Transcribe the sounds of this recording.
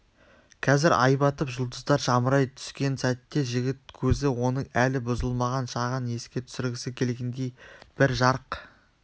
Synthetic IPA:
qʲʰɑzɪɾʔɑ̰jbɑt̪əpʒʊlˠd̪əzd̪ɑɾʒɑməɾɑjt̪ʰʏ̥skʲe̞nsæt̪ːe̞ʒɪɡʲɪt̪̚kʲʰɵzɪwo̞nəɴælɪbʊzəlˠmɑʁɑnʃɑʁəne̞skʲe̞t̪ʰʏ̥sɪɾɡʲɪsɪkʲʰe̞lɡʲend̪e̞jb̥ɪɾʒɑɾəq

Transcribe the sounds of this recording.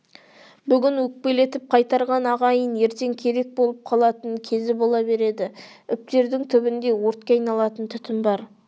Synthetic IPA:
bʏɡʲɪnwɵk̚pe̞le̞t̪ɪp̚qʰɑjt̪ɑɾʁɑnɑʁɑjəne̞ɾt̪e̞ŋkʲʰe̞ɾe̞k̚bo̞lˠəp̚qʰɑlˠɑt̪əŋkʲʰe̞zɪbo̞lˠɑbe̞ɾe̞d̪ɪʏp̚t̪e̞ɾd̪ɪŋt̪ʰʏbɪnd̪e̞wo̞ɾt̪̚kʲeɑjnɑlˠɑt̪ənt̪ʰʏt̪ɪmbɑɾ

